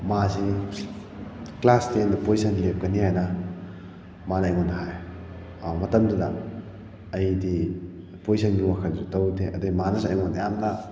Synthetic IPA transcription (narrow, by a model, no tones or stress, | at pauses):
maze | klastendipois̬ʰɐnlep̚kɐniɦajnɐ | manːjɡonɐɦaj | mɐtɐmdɯdɐ̰ː | jdi | poisɐnɡiwakʰɐldutɐwdeʔɐdɯɡimanɐsɐjmonɐjamla